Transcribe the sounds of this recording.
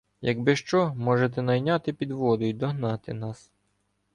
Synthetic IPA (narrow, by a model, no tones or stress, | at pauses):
jɐɡbɪʃt͡ʃɔmɔʒet̪ɛnɐjnʲɑt̪ɪpʲid̪ʋɔd̪ʊjjd̪ɔɦnɑt̪ɪ̰nɑs